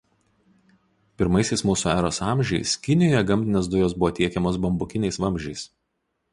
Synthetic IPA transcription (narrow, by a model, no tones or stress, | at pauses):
pʲɪɾmɐɪsʲɛɪsmuːsuːæːɾoːsɑˑmʲʒʲɛɪskʲɪnʲɪjɔːjɛɡɐmʲˑt̪ʲɪnʲeːs̬d̪ʊjoːsbʊʋoːt̪ʲiɛkʲɛmoːsbɐmbʊkʲɪnʲɛɪsʋɐmʲʒʲɛɪs